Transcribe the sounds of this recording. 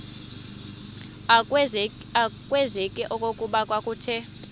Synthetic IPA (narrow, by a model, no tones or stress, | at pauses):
akʼwɛzɛkʼɛʔɔkʼokʼuɓakʼwakʼuːtʰɛ